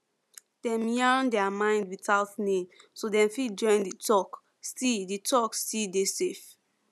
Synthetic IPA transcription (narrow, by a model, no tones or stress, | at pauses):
d̥ɛ̃mjaɹ̃ndɛamãɪ̃ndwisaʊtnẽmsodɛ̃mfid͡ʒɔ̃ɪ̃nditɔk | stiditʰɔkstidesef